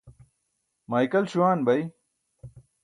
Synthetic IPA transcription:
maːjkɐlɕuwaːnbɐj

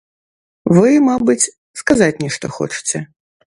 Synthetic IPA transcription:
vɨmabɨt͡sʲ | skazat͡sʲnʲiʂt̪ɔ̰xɔ̰t͡ʂɨ̥t͡sʲɛ

